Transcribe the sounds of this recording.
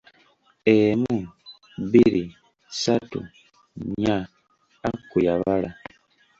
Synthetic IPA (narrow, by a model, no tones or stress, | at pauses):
emu | βili | satṵ | ɲaː | kujaβala